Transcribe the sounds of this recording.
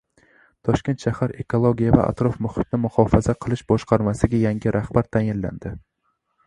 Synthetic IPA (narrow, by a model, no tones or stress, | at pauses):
t̪ʰɒʃkʲe̞nt̪ʃahaɾe̞kʰolˠoɡʲijava̰ʔa̰t̪ɾɒfmʊhɪt̪nɪmʊhɒfazaqʰɨlˠɪʃbɒʃqʰɑɾmasɪɡʲajaŋɡʲɪɾʔahbaɾt̪ʰajɪnla̰nd̪̥ɪ